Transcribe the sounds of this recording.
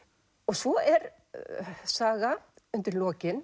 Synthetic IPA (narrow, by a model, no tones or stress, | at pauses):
ɔɣsvɔɛɾ | saːɣaʏnt̪ɪɾlɔːcɪn